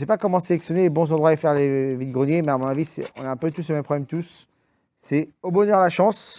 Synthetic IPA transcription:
sɛpakɔmɑ̃selɛksjɔnelebɔ̃zɑ̃d̪ʁwaefɛʁlevid̪̚ɡʁənjemɛamɔ̃navisɛɔ̰̃naɛ̃pøt̪usləmɛmpχɔblɛmt̪usː | ɛobɔnœʁlaʃɑ̃s

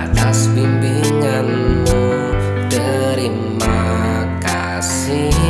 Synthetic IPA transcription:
at̪aspimpiŋanː | u | də | ɾi | ma | ka | s | i

